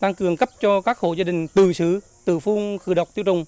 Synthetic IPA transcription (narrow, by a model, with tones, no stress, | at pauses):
t̪a˧ŋkɨ˨˩əŋkə˦˥p̚t͡ɕɔ˧kaː˦˥k̚xo̰˧˨zaː˧ɗï˨˩ŋ̟t̪ɨ̰˧˩sɨ˨˧˩ | t̪ɨ̰˧˩fu˧ŋxɨ̰˧˩ɗə˨˩wk͡p̚t̪i˧əwt͡ɕʊ̰˨˩wŋ͡m